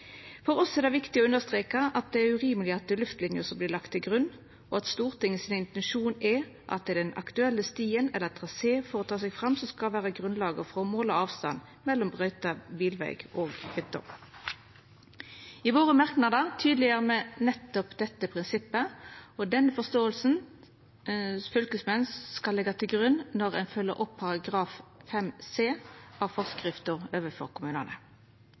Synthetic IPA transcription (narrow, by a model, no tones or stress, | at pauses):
fɔʁɔsɛd̪ɛʋɪkt̪ɪɔʉndəʁst̪ʁeːkəʔɑt̪̚d̪ɛæːʉʁiːməlɪɑt̪̚d̪ɛlʉft̪lɪnjəsɔmblɪːʁlɑkt̪ʰːɪlɡʁʉnː | ɔɑt̪st̪uːʁt̪ʰɪŋːəsiːnəɪnt̪ɛnʃuːnɛ | ʔɑ̰t̪̚d̪ɛd̪ɛnɑ̰kt̪ʉɛlːəst̪iːənɛlːət̪ʰʁɑseːfɔʁɔt̪ʰɑːsɛɡfʁɑmsɔmskɑʋæːʁəɡʁʉnlɑːɡəfʁɔmoːlɔɑːʋst̪ɑ̰n | mɛlːɔmbʁœʏt̪ɑbiːlʋæ̰ɪɡ̥ʔoːɡhʏt̪ːɔ̰ | ɪʋoːʁəmɑʁknɑd̪əʁt̪ʰyːd̪lɪəʁəmɛːnɛt̪ːɔpd̪ɛt̪ːəpʰʁɪnsɪpːəɔd̪ɛnːəfɔst̪oːəlsn̩ | fʏlkəsmɛnsːkɑlːɛɡɑt̪ʰɪlɡʁʉnːnɔʁɛ̰ɪnfœlːə̰ɾʔɔpʰːɑʁɑɡʁɑːffɛmseːɑʋfɔʁskʁɪft̪ʊʁøːʋəfɔ̰ʁkʰʊmʉːnənə̰